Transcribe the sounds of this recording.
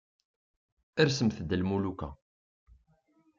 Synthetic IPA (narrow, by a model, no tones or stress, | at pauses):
əɾsəmθəd̪əlmulukæ̰